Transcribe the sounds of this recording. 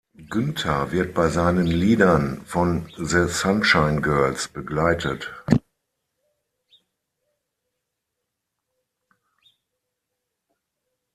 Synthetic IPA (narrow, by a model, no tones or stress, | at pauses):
ɡ̥ʏntʰɐvɪɐt̚b̥aɪzaɪnənliːdɐnfɔnzəsanʃaɪnɡɜɐlsb̥əɡlaɪtʰət